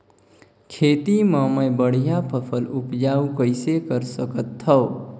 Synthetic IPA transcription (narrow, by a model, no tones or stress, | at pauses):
kʰeːt̪imə̃məjbəɽ̤japʰəpʰəlʊpd͡ʒaːukəɪsekəɾsəkət̪ʰːəː